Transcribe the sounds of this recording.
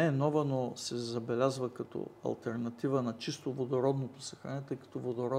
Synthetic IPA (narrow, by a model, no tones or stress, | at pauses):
ɛnɔvənosɛzɐbɛlʲazvəkɐt̪ɔ̰ɐ̰lˠt̪ɛɾnɐt̪ivənɐt͡ʃist̪ovod̪oɾɔd̪not̪osɐ̥xɾanɛt̪əjkɐ̥t̪ɔvod̪oɾɔ